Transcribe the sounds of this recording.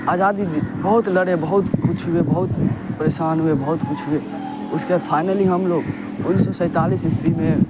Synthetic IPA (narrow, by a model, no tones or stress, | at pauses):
ad͡ʒad̪ibəɦut̪ləɽebəɦut̪kʰut͡ʃʰuebəɦut̪pɾesanɦuebəɦut̪kut͡ʃʰɦue | ʊskepʰajnəliɦəmloɡ | unsɔsə̃ɪt̪alisispime